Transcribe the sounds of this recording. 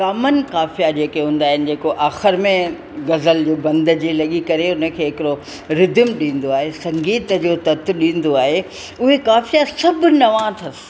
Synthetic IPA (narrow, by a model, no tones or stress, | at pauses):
kaːmənɪ̆kaːfijad͡ʑeːkeɦũːn̆d̪aːɦɪnɪ̆d͡ʑeːkoʔaːxɪɾmẽ | ɡɐzəld͡ʑoːbɐ̃nd̪d͡ʑeːlɐɠikɐɾeʊnə̆kʰeːɦɪkɪɾo | ɾɪd̪mɗĩːn̆d̪oaːɦesɐ̃ŋɡiːt̪əd͡ʑoːt̪ɐt̪ʰɗĩːn̆d̪oaːɦe | ʊɦekaːfijasɐbʱʊ̆nɐʋãt̪ʰɐs